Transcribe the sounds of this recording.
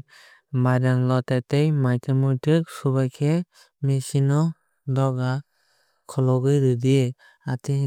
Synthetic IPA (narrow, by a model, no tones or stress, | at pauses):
bajdanlɔtatejmajtemɔtɯk̚subajkʰe | mesinɔ | dɔɡa | kʰɔlɔɡɯjɾɯdi | ati